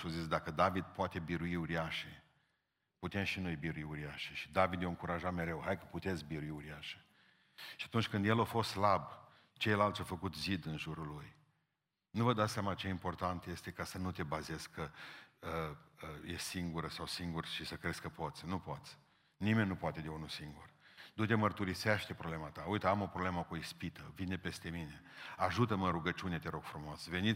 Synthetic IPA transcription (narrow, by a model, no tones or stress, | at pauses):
ozit̪s̬ʲd̪akəd̪avid̪poat̪e̞biɾuiuɾiaʃe | put̪e̞mʃinujebiɾuiuɾiaʃeʃi̥d̪avid̪joɨŋkuɾaʒat̪me̞ɾe̞whajkə̥put̪e̞t̪sʲbiɾuiuɾiaʃe̥ | ʃiat̪unt͡ʃʲkɨnd̪jelofo̞st̪slab | t͡ʃe̞jlalt̪sʲafəkut̪zid̪ɨnʒuɾulːuj | nuvəd̪at̪sʲjamat͡ʃeimpo̞rt̪ant̪je̞st̪e̞kasənut̪e̞bazeskkəəəjessiŋɡuɾəsawsiŋɡurʃisəkɾeskəpo̞t̪sʲnupo̞t̪sʲ | nimenʲːupoat̪e̞d̪eunusiŋɡurd̪ut̪emərt̪uɾiseeʃt̪e̞pɾoblemat̪aujt̪əamo̞pɾobleməkuispit̪əvinepe̞st̪e̞mine̞aʒut̪əmənɾuɡət͡ʃune̞t̪eɾo̞ɡ̥fɾumo̞sve̞nit